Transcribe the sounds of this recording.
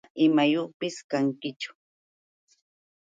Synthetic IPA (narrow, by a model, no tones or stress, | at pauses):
ɪmajoχpɪskaŋkɪt͡ʃʊ̥